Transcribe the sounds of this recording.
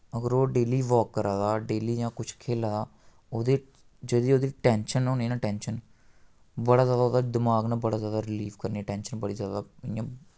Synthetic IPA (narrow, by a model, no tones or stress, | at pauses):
əɡəɾoːɖeːliːʋoːkːəɾaːd̪aːɖeːliːjãːkʊt͡ʃʰkʰeːlaːd̪aː | oːd̪eː | d͡ʒəd̪iːoːd̪iːʈɛːnʃənõːniːnãːʈɛːnʃən | bəɽaːzjaːd̪aːoːd̪aːd̪ɪmaːɡnaːbəɽaːzjaːd̪aːɾɪliːʋkəɾniɛːʈɛːnʃənbəɽiːzjaːd̪aːɪjãː